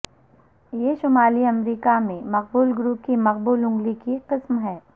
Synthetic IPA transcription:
jeʃʊmaːliɐmɾiːkamẽmɐq̚buːlɡɾuːp̚kimɐq̚buːlʊ̃ŋɡlikiqɪsmɦɛː

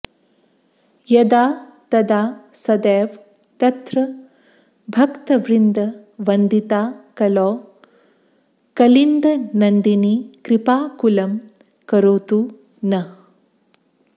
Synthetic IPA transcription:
jɐd̪aːt̪ɐd̪aːsɐd̪eːʋ | t̪ɐt̪ɾɐ | bʱɐkt̪ɐʋɾind̪ʱɐʋɐnd̪it̪aːkɐlɔː | kɐlind̪ʱɐnɐnd̪inikɾipaːkulɐm | kɐɾoːt̪u | nɐ

